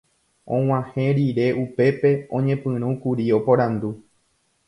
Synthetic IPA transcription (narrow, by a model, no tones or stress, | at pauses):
õw̃ãhẽɾiɾe̞ʔupe̞pe̞õ̞ɲẽ̞pɨ̃ɾ̃ũkuɾio̞po̞ɾãnd̪u